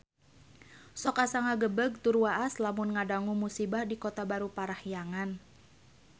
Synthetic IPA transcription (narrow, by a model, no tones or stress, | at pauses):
sɔkasaŋaɡəbəɡ̚t̪uɾuaʔaslamunŋadaŋumusibahdikot̪abaɾupaɾahjaŋan